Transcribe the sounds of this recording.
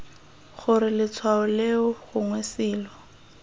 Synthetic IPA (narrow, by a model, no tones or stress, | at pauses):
χʊɾɪlɪt͡sʰwaʊleʊɣʊŋwesɪːlɔ